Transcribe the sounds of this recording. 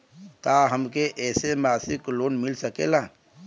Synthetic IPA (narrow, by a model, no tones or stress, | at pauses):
kaɦəmkeʔɛːsemaːsɪkloːnmɪlsəkela